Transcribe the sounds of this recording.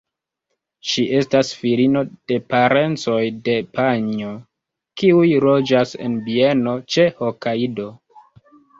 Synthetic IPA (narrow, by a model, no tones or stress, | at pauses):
ʃiʔe̞stasfiɾino̞d̥e̞paɾe̞nt͡so̞jde̞paɲo | kiujlod͡ʒase̞̰nbie̞no̞t͡ʃe̞ho̞kaido̞